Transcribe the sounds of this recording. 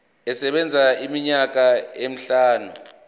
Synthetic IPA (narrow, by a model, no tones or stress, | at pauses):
ɛsɛɓɛnd͡zʱaimiɲak̬aem̩ɬaːnu